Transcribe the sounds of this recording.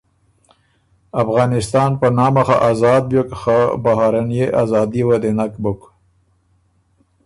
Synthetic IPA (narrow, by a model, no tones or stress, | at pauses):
afɣɑːnɪst̪ɑːnpənɑːmaxaʔazɑːd̪̚bjokxabaɦaɾanjeʔazɑːd̪iwad̪enakbʊk